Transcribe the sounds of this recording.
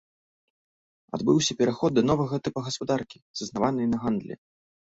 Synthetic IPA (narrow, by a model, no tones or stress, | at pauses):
a̰d̪bɨwsʲɐpʲɛɾaxɔd̪̚dːɐnɔvɐɣɐt̪ɨpɐɣɐspad̪arkʲiz̥ɨznavanɨjnɐɣand̪lʲɛ̰